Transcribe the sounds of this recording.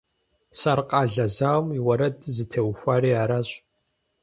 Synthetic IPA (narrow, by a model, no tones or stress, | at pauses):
sarqʼɑːɮɐzaːwmiwɐɾɐdʰʼzɨtʰewxʷaːɾiːaːɾaːɕʼ